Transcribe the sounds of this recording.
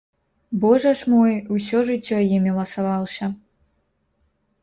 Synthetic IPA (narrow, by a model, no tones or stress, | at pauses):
bɔʐɐʂmɔjusʲɔʐɨt͡sʲːɔjimʲilˠɐsɐvɑlˠɕʲɐ